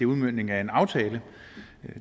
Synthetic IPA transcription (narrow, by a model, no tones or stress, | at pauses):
euðˠmøn̰ne̝ŋæe̝nɑ̈ʊt͡sʰɛːlə